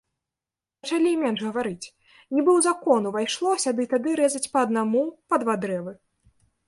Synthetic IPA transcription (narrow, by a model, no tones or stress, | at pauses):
pɐt͡ʂalʲimʲɛnʐɣɐvaɾɨt͡sʲ | nʲibɨwzakɔnuvajʂlˠɔsʲɐd̪ɨt̪ad̪ɨɾɛzɐt͡sʲpɐɐd̪̚namupɐd̪vad̪ɾɛvɨ